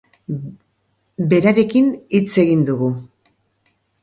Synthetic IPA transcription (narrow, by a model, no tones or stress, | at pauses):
be̞ɾaɾe̞kinit͡se̞ɣind̪uɣu